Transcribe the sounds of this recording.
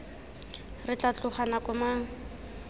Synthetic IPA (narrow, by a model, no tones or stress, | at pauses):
rɪt͡ɬat͡ɬʊχanakʊmaŋ̩